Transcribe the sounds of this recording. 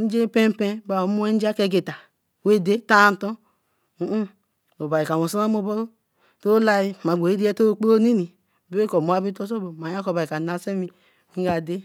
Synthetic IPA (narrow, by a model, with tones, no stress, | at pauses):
n̩˦d͡ʒe˦pe˦m˦pe˦ba˨o˨˦mu˦e˦n̩˦d͡ʒa˦ke˦ɡe˨ta˨ | we˦de˦ta˦˨n˦to˦ | u˦ | o˨ba˨i˨ka˨o˨sa˦na˦mo˦bo˦o˦ | to˦la˦i˦˨ma˨ɡ͡bo˨e˦di˦e˦to˦k͡po˦o˦ni˦ni˨ | be˦e˦ko˨mo˨˦a˦bi˦to˦s̬o˦bo˨ma˨ja˦ko˨ba˨i˨ka˨na˨˦se˦mi˦ | i˦ɡa˨de˦